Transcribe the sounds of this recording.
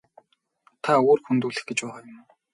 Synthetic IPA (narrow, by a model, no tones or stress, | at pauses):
t̪ʰaoːrxunt̪uːɮɘ̆xɡet͡ɕpʊːʁaːjʊm